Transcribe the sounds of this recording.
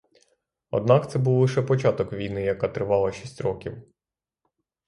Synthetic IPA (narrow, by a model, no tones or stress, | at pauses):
ɔ̰d̪nɑkt̪sɛbuwlˠɪʃɛpɔt͡ʃɑt̪ɔkʋʲijnɪjɐkɑt̪ɾɪʋɑlˠɐʃʲisʲtʲɾɔkʲiw